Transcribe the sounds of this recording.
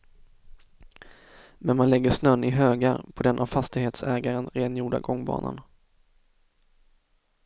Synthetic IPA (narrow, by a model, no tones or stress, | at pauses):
mɛnmanlɛɡːəʂnœnɪɦøːɡaɾpʰɔd̪ɛnʔavfast̪ɪɡheːt̪sɛːɡaɾənɾeːnjuːɖa̰ɡɔŋːbɑ̰ːna̰n